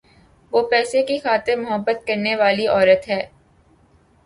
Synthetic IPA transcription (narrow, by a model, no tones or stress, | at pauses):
ʋoːpɛːsekixaːt̪ɪɾmʊɦəbːət̪̚kɐɾneʋaːliɔːɾət̪ɦɛː